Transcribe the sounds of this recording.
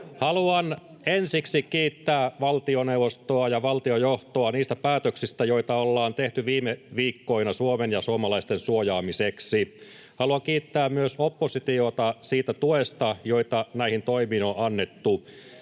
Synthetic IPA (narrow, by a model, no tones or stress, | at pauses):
hɑluɑn | ensiksikiːt̪ːæːʋɑlt̪ioneuʋost̪oɑjɑʋɑlt̪iojoht̪oɑniːst̪æpæːt̪øksist̪æjo̞it̪ɑolːɑːnt̪eht̪yʋiːmeʋiːkːoinɑsuomenjɑsuomɑlɑist̪ensuojɑːmiseksi | hɑluɑŋkiːt̪ːæːmmyøsopːosit̪iot̪ɑsiːt̪æt̪uest̪ɑjoit̪ɑnæihint̪oimiːnoʔɑnːet̪ːu